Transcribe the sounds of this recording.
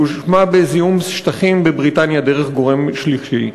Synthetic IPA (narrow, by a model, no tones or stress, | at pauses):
uʃmabezijumsʃt̪aχimbebʁitanjad̪eʁeχɡo̞ʁemʃliʃi